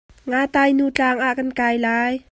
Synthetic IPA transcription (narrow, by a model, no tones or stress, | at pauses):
ŋaːt̪aːjnuːt͡ɬaːŋʔaʔkankaːjlaːj